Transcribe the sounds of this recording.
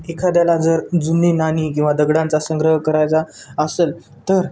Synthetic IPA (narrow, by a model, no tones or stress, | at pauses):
ekʰad̪jalad͡zəɾd͡zunːenanikĩw̃ʋad̪əɡɽãnt͡sasəŋɡɾəɦkəɾajt͡saəsel | t̪əɾ